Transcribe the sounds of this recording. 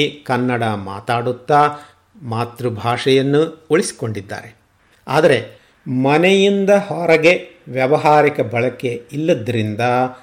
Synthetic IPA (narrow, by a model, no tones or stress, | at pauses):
kɐnːɐɽɐma̰ːt̪aːɽut̪ːa | maːt̪ɾubʱaːʂɐjɐnːuoɭisi̥ko̞ɳɖid̪ːa̰ːɾe̞ | a̰ːd̪ɐɾe̞ | mɐnejind̪ɐhɔɾɐɡe̞ʋjɐʋɐɦaːɾikɐbɐɭɐke̞ilːɐd̪ːɐɾind̪ɐ